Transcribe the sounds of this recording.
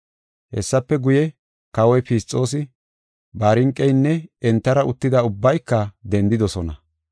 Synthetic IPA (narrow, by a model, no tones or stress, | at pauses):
hɛ̰sːɐpːɛɡʊjɛ | kɐwɔjpist͡sʼːo̞ːs̬ɪ | baːɾɪŋkʼːɛjnːɛɛnt̪ːɐɾɐʊt̪ːɪd̪ɐʊbːɐjkːɐd̪ɛnd̪ɪd̪ɔsɔnɐ